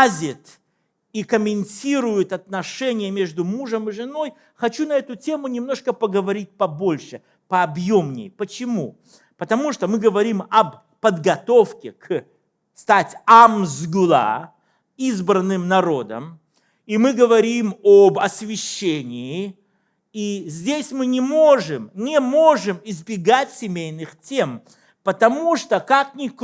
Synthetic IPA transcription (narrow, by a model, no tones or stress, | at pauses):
zʲɪt̪ | ikəmʲɪnʲtʲiɾʊjʊt̪ɐt̪nɐʂɛnʲɪjəmʲe̞ʐd̪ʊmuʐəmɨʐɨno̞j | xɐt͡ɕunɐɛt̪ʊtʲe̞mʊnʲɪmno̞ʂkəpəɡəvɐɾʲit̚ʲpɐbo̞lʲʂɨ | pəɐbjomnʲɪ̰jpət͡ɕɪmu | pət̪ɐmuʂt̪omɨɡəvɐɾʲimɐb | pəd̪ɡɐt̪ofkʲɪk | st̪atʲamzɡʊlˠa̰ | izbɾənːɨmnɐɾod̪ə̰m | imɨɡəvɐɾʲimobɐsʲvʲɪɕːenʲɪː | izʲdʲesʲmɨnʲɪmoʐɨmnʲɪmoʐɨmɪzbʲɪɡatʲsʲɪmʲejnɨxtʲem | pət̪ɐmuʂt̪okak̚nʲɪk